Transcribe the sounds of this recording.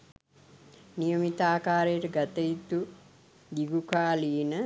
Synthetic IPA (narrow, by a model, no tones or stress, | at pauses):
nijəmit̪aːkaːɾejʈəɡat̪əit̪u | ɡiɡukaːliːnə